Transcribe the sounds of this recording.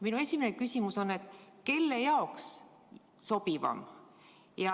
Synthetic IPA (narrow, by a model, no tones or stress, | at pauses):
minue̞sʲimenekysʲimuso̞ne̞t̪ˑke̞lːe̞jɑoks | so̞b̥ivɑ̰m | jɑ